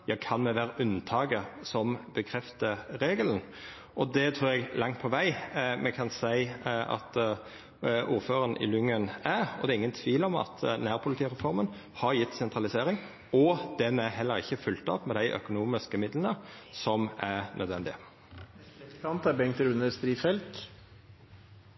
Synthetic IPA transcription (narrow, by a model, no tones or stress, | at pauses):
jɑːkʰɑnmɛʋæːɾəʔʉnt̪ʰɑːɡəsɔmbəkʰɾɛft̪əɾeːɡələn̩ | ʔɔd̪ɛt̪ʰɾuːɾɛɡlʔɑŋt̪̚pʰɔʋæɪmɛkʰɑnsæɪʔɑ̰t̪ | ʔuːɾføːɾənʔɪ̰lʉŋːənæɾɔd̪ɛːɾɪŋːənt̪ʰʋiːlɔmɑ̰t̪næːɾpʰʊlɪt̪ʰiːʁɛfɔɾmən | hɑɾjɪt̪ːsɛnt̪ɾɑlɪseːɾɪŋ | ɔd̪̥ɛnæɦɛlːəɾɪ̰çːəfʉlt̪ɑ̰ːpmɛd̪æɪʔœ̰kʊnuːmɪskəmɪd̪lənəsɔmæɾnʔœd̪ʋɛnd̪ɪə | ɑnt̪æɾbɛŋt̪əɾʉnəɾst̪ɾiːfɛlt̪